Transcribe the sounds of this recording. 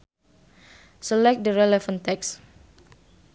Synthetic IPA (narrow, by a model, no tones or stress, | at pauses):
səlɛk̚t̚dəɾɛlɛfə̃nt̪ɛks